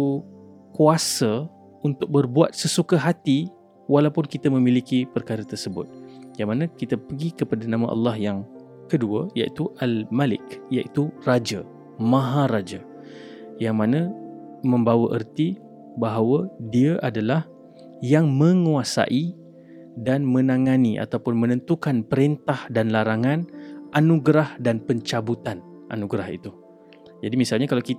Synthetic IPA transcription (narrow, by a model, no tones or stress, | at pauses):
kuasa | unt̪ʊk̚bərbuat̪̚səsukaɦat̪i | walawpʊnkit̪amə̃milikipərkaɾat̪ərsəbʊ̰t̪̚jaŋmanãkit̪apəɡikəpadanãmãʔɑ̰lːɑhjaŋ | kəduəjaʔḭt̪uʔalmalɪ̰kjaʔit̪urad͡ʒa | mãɦaɾad͡ʒa | jaŋmãnã | mə̃mbawəʔərt̪i | baɦawədiaʔadalah | jaŋmə̃ŋuasa̰ʔi | danmə̃naŋaniʔa̰t̪awpʊnmənə̃nt̪ukanpəɾint̪ahdanlaɾaŋanʔanuɡɾahdanpəɲt͡ʃabut̪anʔa̰nuɡɾaɦḭt̪u | d͡ʒadimisalɲakalawkit̪